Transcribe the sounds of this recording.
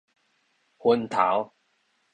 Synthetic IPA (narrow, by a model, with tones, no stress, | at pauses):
hwə˧nt̪ʰa̰˨˦w